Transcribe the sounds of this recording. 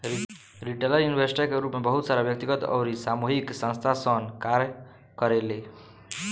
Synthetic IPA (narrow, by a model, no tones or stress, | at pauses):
ɾiʈelajunibʱəɾsʈakeɾupmebəɦut̪saɾabjək̚t̪iɡət̪ɔ̰ɾisamuɦiksə̃nst̪ʰasənkaɾj | kəɾele